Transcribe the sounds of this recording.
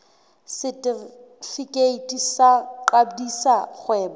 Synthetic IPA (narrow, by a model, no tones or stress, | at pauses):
sɪtʼi | fikʼeitʰʼisaǃadisaχwɛːba